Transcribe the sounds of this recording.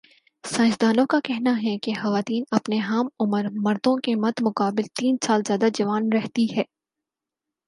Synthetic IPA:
sãːsd̪aːlõkakɛɦnaɦɛkexɐʋaːt̪iːnɐpneɦaːmʊməɾmɐɾd̪õkemɐd̪mʊqaːbɪlt̪iːnsaːlzjaːd̪ad͡ʒɐʋaːnɾɛɦt̪iɦɛː

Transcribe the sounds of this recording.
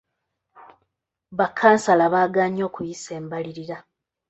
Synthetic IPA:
βakʰːaːnsalaβaːɡaːɲo̞ːkujise̞ːmbaliɾiɾa

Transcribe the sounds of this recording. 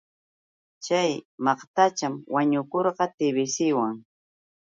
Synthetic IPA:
t͡ʃajmɑqt̪at͡ʃamwaɲʊkoɾɢɑt̪ɪbɪsɪwaŋ

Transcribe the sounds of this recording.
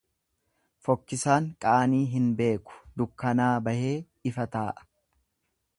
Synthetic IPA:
fɔkːɪsaːŋkʼaːniːɦɪnbe̞ːkʊ̥d̪ʊkːɐnaːbɐhe̞ː | ɪfɐt̪aːʔɐ̥

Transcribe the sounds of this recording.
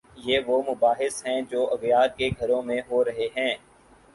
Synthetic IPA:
jeːʋomʊbaːɦɪsɦɛ̃d͡ʒoːɐɣjaːɾkeɡʱɐɾõmẽɦoɾɐɦeɦɛ̃ː

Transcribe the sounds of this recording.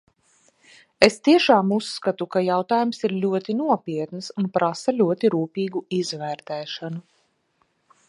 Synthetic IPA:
est̪iɛʃaːmusːkat̪ukajawt̪aːjumsiɾlʲuɔt̪inuɔpʲiɛt̪nɨsunpɾasalʲuɔt̪iɾuːpʲiːɡuizvæːɾt̪ɛːʃanu

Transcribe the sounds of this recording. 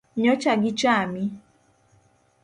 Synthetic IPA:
ɲɔt͡ʃaɡɪt͡ʃami

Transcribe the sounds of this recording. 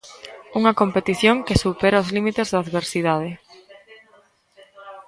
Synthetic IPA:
uŋɐkompet̪iθjoŋkɪsupɛɾaʊzlimit̪ezðaːðβeɾsiðað̞ɪ

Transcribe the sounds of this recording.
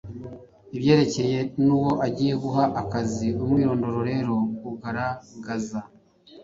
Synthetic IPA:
iβje̞ːɾe̞ce̞je̞nuːwo̞ʔaɟiːje̞ɡuɦaʔakaziumwiːɾo̞ːndo̞ɾo̞ɾe̞ɾo̞uɡaɾaɡaza

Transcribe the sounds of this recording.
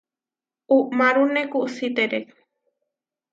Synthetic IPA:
uʔmaɾunekuʔsit̪eɾe

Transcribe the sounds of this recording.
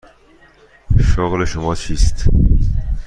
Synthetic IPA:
ʃoɣleʃomɒːt͡ʃʰiːst̪

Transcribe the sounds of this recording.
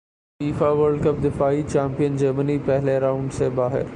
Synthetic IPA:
iːfaʋəɾɖkəp̚d̪ɪfaːit͡ɕɛːmpijənd͡ʑɐɾmənipɛɦleɾaːʊ̃ɳɖsebaːɦɪ̰ɾ

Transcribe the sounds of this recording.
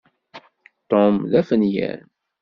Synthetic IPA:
t̪omðæfənjæ̰n

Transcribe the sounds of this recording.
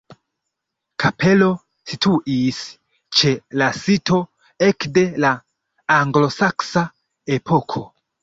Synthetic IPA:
kʰapʰe̞lo̞ | situʔis | t͡ʃe̞lasito̞ | ekde̞laː | ŋɡlo̞saksa | e̞pʰo̞kʰo̞

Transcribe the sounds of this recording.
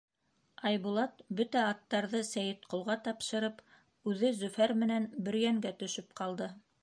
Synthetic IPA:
ɑjβulˠɑt̪̚bɵt̪æɑt̪ːɑɾðɤsæjɘ̆t̪qŏlˠʁɑt̪ɑpʃɤ̆ɾɤp | ʉðɘzɵ̆fæɾmɘ̆nænbɘ̆ɾjæŋɡæt̪ɵ̆ʃɵp̚qɑlˠd̪ɤ

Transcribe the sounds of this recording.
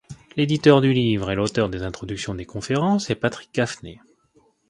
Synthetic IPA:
led̪it̪œʁd̪ylivʁɛlot̪œʁd̪ezɛ̃t̪χɔd̪yksjɔ̃d̪ekɔ̃feʁɑ̃sɛpat̪χi̥kːafnḛ

